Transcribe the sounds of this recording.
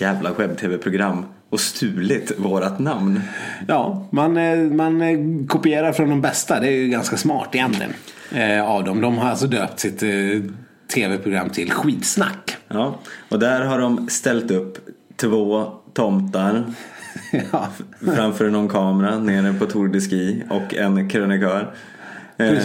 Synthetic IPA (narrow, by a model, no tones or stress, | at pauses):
jæːvlaɧɛb̚t̪ʰeːvɛpʰɾʊɡɾamː | ɔst̪ʰʉ̟ːlɪt̪voːɾat̪namnjɑːmanmankʰʊpɪeːɾaɾfɾɔnd̪ɔmbɛst̪ad̪ɛæɾjɵɡanskasmɑ̰ːʈɪjɛnt̪lɪ̰ə̰n | avd̪ɔmd̪ɔmɦaɾalsɔd̪øːpt̪sɪt̪ʰ | eːvɛpʰɾʊɡɾa̰mːt̪ʰɪlɧiːt̪sna̰kːjɑːɔd̪æɾɦaɖɔmst̪ɛlt̪ɵpːt̪ʰvoːt̪ʰɔmt̪aɾ | fɾamfœːɾnɔnkʰɑːmɾaneːɾəpʰɔt̪ʰʊɾɖɪskiːɔkːɛnkʰɾœnɪkʰœːɾ